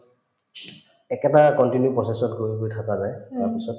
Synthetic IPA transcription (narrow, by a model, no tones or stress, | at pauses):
ɛkɛtakɔntinjupɹɔsesɔtɡoɹibojtʰakazajtaɹpisɔt